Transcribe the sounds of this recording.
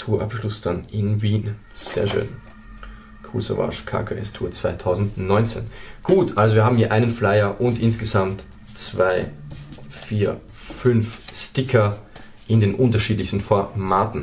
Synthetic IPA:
tʰuːɐʔa̰pʃlʊsd̥anʔɪnviːn | z̥ḛːɐʃø̰ːn | kʰṵso̰va̰ʃkʰa̰ːkʰaʔɛstʰuːɐt͡sv̥aɪtʰaʊzn̩tnɔʏnt͡sḛːnɡ̥uːtʔalzoviːɐɦaːm̩hiːɐʔaɪnənflaɪɐʔʊntʔɪnsɡ̥əzamt | t͡sv̥aɪ | fiːɐ | fʏnfstɪkʰɐ | ʔɪndeːnʔʊntɐʃiːtlɪçstn̩fɔɐmaːtn̩

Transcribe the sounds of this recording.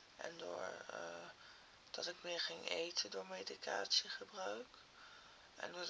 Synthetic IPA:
ʔɛ̰ndʊ̰ːɹ | d̥ɑtɪkmɪːɹχɪŋʔejtʰəndʊːɹmejdikʰa̰ːtsiχəbrœɥk | ʔɛ̰ndʊː

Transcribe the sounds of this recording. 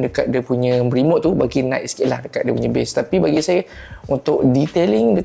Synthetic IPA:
dəkat̪̚diəpuɲə̃mɾimɔʔ̪t̪ːubaɡinãʔskiʔla̰hdəkat̪̚diəpuɲə̃bɛst̪apibaɡisajəunt̪ʊʔdit̪eliŋdə

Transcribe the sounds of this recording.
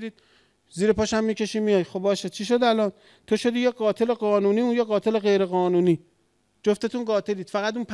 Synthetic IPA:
ɾiːd̪̥̚ | ziːɾepɒːʃæmːiːcʰe̞ʃiːmijɒːjxobbɒːʃet͡ʃʰiʃ̬o̞d̪ælɒːn | t̪ʰo̞ʃo̞d̪iːjeɡɒːt̪ʰe̞le̞ɢɒːnuːniːunjeɣɒːt̪ʰe̞le̞ɣe̞jɾe̞ɣɒːnuːniː | d͡ʒoft̪et̪ʰunɢɒːt̪ʰe̞liːd̪̥fæɣæt̪uːnpʰ

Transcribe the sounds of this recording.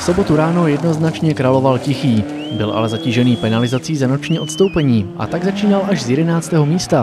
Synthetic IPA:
fso̞bo̞t̪uɾaːno̞jɛdno̞znat͡ʃɲɛkɾalo̞valcɪxiː | bɪlʔa̰lɛzaciːʒɛniːpɛnalɪzat͡siːzano̞t͡ʃɲiːʔo̞t̪st̪o̞wpɛɲiːʔa̰t̪aɡzat͡ʃiːnalʔaʒzjɛdɛnaːt͡st̪ɛːɦo̞miːst̪a

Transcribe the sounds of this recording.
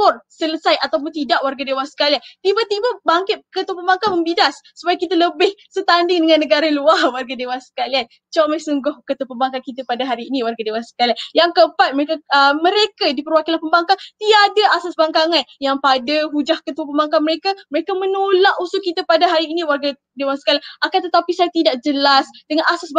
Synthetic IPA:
kɔrsələsajat̪awp̬ʊnt̪idaʔwarɡadewahsə̥kaliant̪ibat̪ibabaŋkɪt̪̚kət̪upəmbaŋkaməmbidasːəpajakit̪aləbɪhsət̪andɪŋdəŋãnːəɡaɾaluahwarɡadewasə̥kalian | t͡ʃamajsuŋɡʊhkət̪upəmbaŋkakit̪əpadaɦaɾiːnĩwarɡadewasə̥kalianjaŋkəəmpat̪̚məɾekaəməɾekadipəɾwakilanpəmbaŋkat̪iadaasasbaŋkaŋanjaŋpadaɦud͡ʒahkət̪uəpəmbaŋkanməɾekaməɾekamənolaʔusʊʔkːit̪apadaɦaɾiːnĩwarɡa | dewansə̥kaliaŋʔakant̪ət̪apisajat̪idaʔd͡ʒəlasdəŋanasasb

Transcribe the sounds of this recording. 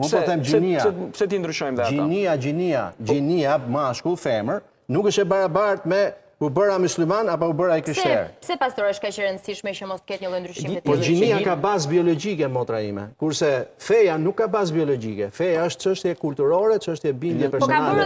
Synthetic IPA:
mupɔθɛmd͡ʒiniaɛpsɛt̪ind̪ɾyʃɔjmðɛatiniad͡ʒinia̰d͡ʒiniamaʃkulˠfɛməɾ | nukəʃt̪ɛbaɾabaɾt̪mɛ | ubəɾamuslimanapaubəɾaikɾiʃt̪ɛ̰ɾpsɛpast̪ɔɾɛʃkɛʃəɾənd̪siʃmɛʃɔmɔst̪əkɛt̪ɲəlˠɔnd̪ɾyʃimpɔd͡ʒiniakabazbiɔlɔd͡ʒikɛmɔt̪ɾaimɛ̰kuɾsɛfɛjanukːabaz̬biɔlɔd͡ʒikɛfɛjaəʃt̪t͡ʃəʃt̪jɛkulʲt̪uɾɔɾɛt͡ʃəʃt̪jɛbind̪jɛpɛɾsɔnalɛ

